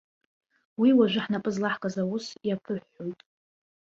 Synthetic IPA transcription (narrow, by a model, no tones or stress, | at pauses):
wiwaʒʷɪħnapʼɨzlaħkʼazawʊsjapʰɨħːojtʼ